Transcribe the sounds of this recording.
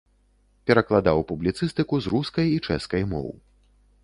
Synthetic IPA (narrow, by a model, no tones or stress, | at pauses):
pʲɛɾɐklˠad̪awpublʲit̪sɨst̪ɨkuzruskɐjit͡ʂɛ̰skɐjmɔ̰wɨ